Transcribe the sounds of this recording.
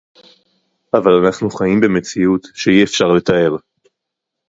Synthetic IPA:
ʔavalanaχnuχajimbeme̞t͡siut̪ʃejiefʃaʁle̞t̪ae̞ʁ

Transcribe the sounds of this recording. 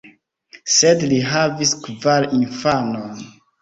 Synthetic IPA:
sedliɦaviskvaɾinfanon

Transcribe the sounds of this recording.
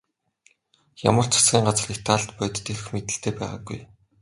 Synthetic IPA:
ja̰mə̆r̥t͡sʰḁsɡʲiːŋɢat͡srixt̪ʰaɮt̪pœːjt̪ːʰeɾ̆xmet̪ɘ̆ɬt̪eːpæ̰ːʁa̰ːɡṵj

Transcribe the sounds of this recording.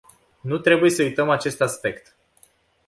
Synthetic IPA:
nut̪ɾe̞buje̞səujt̪əmat͡ʃe̞st̪aspe̞kt̪

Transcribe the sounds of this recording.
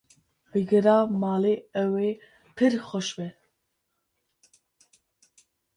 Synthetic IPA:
bɨɡɨɾɑːmɑːleːɛweː | pʰɨɾxɔʃbɛ

